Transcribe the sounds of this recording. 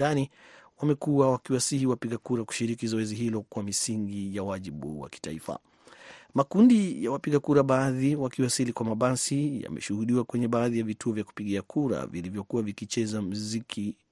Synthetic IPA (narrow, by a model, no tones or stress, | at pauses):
aniwamɛkuwawakiwasihiwapiɠakuɾaku̥ʃiɾikizɔɛziɦilɔkwamisiŋɡijawaʄiɓṵwa̰ki̥taifa̰ | makundijawapiɠakuɾaɓaðiwakiwasilikwamaɓasija̰mɛ̰ʃuhuɗiwakwɛɲɛɓaːðijavituɔvjaku̥piɠiakuɾa̰vilivjɔkuwavikit͡ʃɛzam̩zikʰi